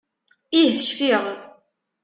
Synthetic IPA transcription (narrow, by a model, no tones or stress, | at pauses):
ihəʃfiʁ